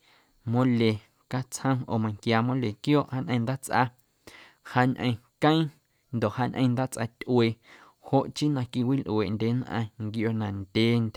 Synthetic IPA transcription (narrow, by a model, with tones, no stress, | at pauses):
mõ˧le˨ | ka˦t͡shə̃˦ʔoː˨mã˧˨ŋkjaː˧mõ˦le˨kjoː˦ʔha˧ɲʔə̃˧nd̪aː˦t͡sʔa̰˧ | haː˧ɲʔə̰̃˧˨˧kə̃˦ĩ˦ | nd̪o˨ʔhaː˧ɲʲʔə̃˧nd̪aː˦t͡sʔa̰˧t̪ʲʔweː˧˨ | ho˧ʔt͡ʃi˦nã˧ki˧wi˦lʔw̰e˨ʔnd̪ʲe˨˦nʔã̰˧ŋɡjo˧nã˨nd̪̥ʲe˨nt̪ʲ